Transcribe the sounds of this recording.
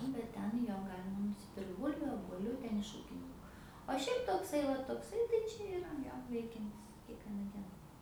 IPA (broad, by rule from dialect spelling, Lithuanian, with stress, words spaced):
nʊ bʲɛt ˈtʲɛn ˈjoː ˈɡɑːlʲɪmɐ nʊsʲɪˈpʲɪrkt ˈbʊlʲʋʲʊ oːbuɔˈlʲʊ ˈtʲɛn ɪʃ ˈuːkʲɪnʲɪŋkʊ oː ˈʃʲɛɪp toːkˈsɐɪ ˈʋɐ toːkˈsɐɪ tɐɪ ˈt͡ʃʲɛ ɪˈrɐ ˈjoː ˈʋʲɛɪkʲɛnʲtʲɪs kʲiɛkˈʋʲiɛnɐ ˈdʲiɛnɐ